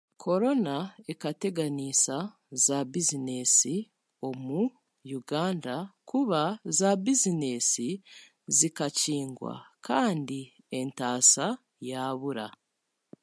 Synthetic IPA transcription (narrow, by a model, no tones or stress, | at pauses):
kʰo̞ɾo̞naekate̞ɡaniːsa | zabizine̞si | o̞mu | juɡaːndakʰuβazabizine̞si | zikaciːŋɡwa̰kʰaːndi | e̞ntaːsa | jaβuɾa